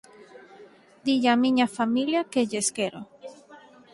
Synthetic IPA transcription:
d̪iʎamiɲafamiljakeʎeskeɾo

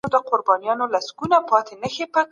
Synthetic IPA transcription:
od̪əqʊɾbɑnijɑnolasɡunapɑt̪enəxepə

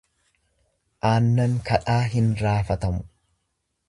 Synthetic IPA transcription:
ʔaːnːɐŋkɐᶑaːɦɪnɾaːfɐt̪ɐmʊ̥

